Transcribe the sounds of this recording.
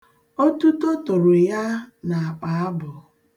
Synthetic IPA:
o˦tu˦to˦tʊ˨ɾo˨ja˦na˨a˨k͡pa˨a˦bʊ˨

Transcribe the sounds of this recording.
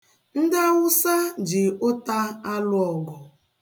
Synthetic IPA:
n̩˦da˦wʊ˦sa˦d͡ʒɪ˨o˦ta˦a˦lʊ˦ɔ˨ɡɔ˨

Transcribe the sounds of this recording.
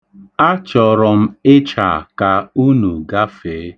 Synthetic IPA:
a˦t͡ʃɔ˨ɾɔ˨m̩˦ɪ˦t͡ʃa̰˨ka˨u˦nu˨ɡa˦fe˨˦

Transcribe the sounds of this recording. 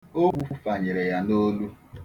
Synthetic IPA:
o˦bu˦fu˦fa˨ɲɪ˨ɾe˨ja˦no˦lu˦

